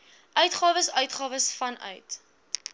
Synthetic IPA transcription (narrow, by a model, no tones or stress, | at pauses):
ʔœɥtχɑːvəsœɥtχɑːvəsfɐnœ̰ɥt